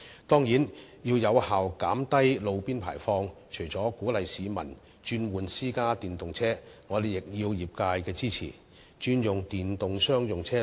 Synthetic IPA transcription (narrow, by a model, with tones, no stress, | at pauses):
t̪ɔː˥ŋjiː˨˥njiː˧wjɐ˨˧whaː˨˩wkaː˨˥mt̪ɐ˥jlo˨˧wpiː˥npʰa̰ː˨˩jfɔː˧ŋt͡ʃʰɵ˨˩jt͡sɔː˨˥kuː˨˥lɐ˨jsiː˨˧mɐ̰˨˩n | t͡ʃyː˧nwuː˨nsiː˥kaː˥t̪iː˨˩nt̪ʊ˨ŋt͡sʰɛː˥ŋɔː˨˧d̪e˨jɪ˨k̚jiː˧wjiː˨p̚kaː˧jkɛː˧t͡siː˥t͡sʰḭː˨˩ | t͡ʃyː˧njʊ˨˩ŋt̪iː˨nt̪ʊ˨ŋsœː˥ŋjʊ˨ŋt͡sʰɛː˥